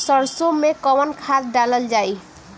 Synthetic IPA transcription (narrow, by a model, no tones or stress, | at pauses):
sɔɾsomːekɔmɔnkʰat̪ɖaləld͡ʒaj